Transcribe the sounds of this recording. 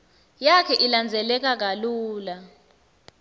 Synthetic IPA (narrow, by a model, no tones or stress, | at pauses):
jakʰɛʔiland͡zʱɛlɛk̬ʼak̬aluːla